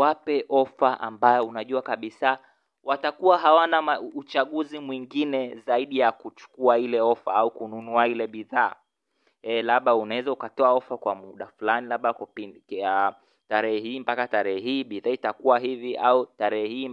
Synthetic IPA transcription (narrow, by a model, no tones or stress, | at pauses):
wapɛʔɔfaʔambajɔunaʄuakaɓisa | watakuwaɦawanaaut͡ʃaɠuzimwiŋɡinɛzaiɗijakut͡ʃu̥kuailɛɔfaaukununuailɛɓiðaː | ɛlaɓaunawɛzaukatɔaɔfakwamuɗafulanilaɓakpia | taɾɛhɛhiːmpakataɾɛhɛɦiːɓiðaitakuwaɦiviʔautaɾɛɛhiː